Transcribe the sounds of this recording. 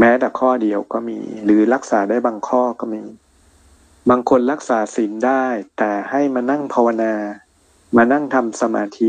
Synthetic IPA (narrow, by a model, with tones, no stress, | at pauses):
mɛː˦˥t̪ɛː˨˩kʰɔː˥˩di˧əwkɔː˥˩mḭː˧lɯː˩˦la˦˥k̚saː˩˦daː˥˩jbaː˧ŋkʰɔː˥˩kɔː˥˩miː˧ | baː˧ŋkʰo˧nɾa˦˥k̚saː˩˦si˩˦ndaː˥˩jt̪ɛː˨˩ha˥˩jmaː˧na˥˩ŋpʰa˧wa˧naː˧ | maː˧na˥˩ŋt̪ʰa˧msa˧maː˧t̪ʰi˦˥